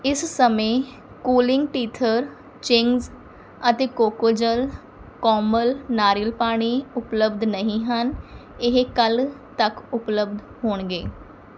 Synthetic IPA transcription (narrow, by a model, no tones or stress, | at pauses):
ɪssəmẽː | kuːlɪŋɡʈiːt̪ʰəɾ | t͡ʃɪŋɡz | ət̪eːkoːkoːd͡ʒəl | kɔːməlnaːɾɪlpaːɽ̃iːʊpləbd̪nəɦĩːɦənɪɦkəlt̪əkʊpləbd̪ | ɦoːɳɡeː